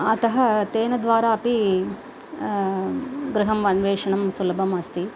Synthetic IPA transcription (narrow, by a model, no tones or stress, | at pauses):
ɐt̪ɐɦɐt̪eːnɐd̪ʋaːɾaːɐpi | ɡɾɪɦɐmʋɐnʋeːʂɐɳɐmsulɐbʱɐmɐst̪i